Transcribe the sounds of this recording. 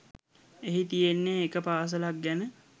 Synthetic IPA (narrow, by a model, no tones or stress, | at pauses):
eɦit̪ijenːeːkəpaːs̬əlak̚ɡænə